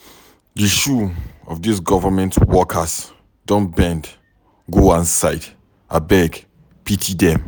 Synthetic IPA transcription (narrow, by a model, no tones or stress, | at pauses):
diʃuɔvdisɡɔvəmɛ̃ntʰwɔkʰəs | dõnbɛ̃nd | ɡoãnsaɪd | abɛɡ | pʰitʰidɛ̃m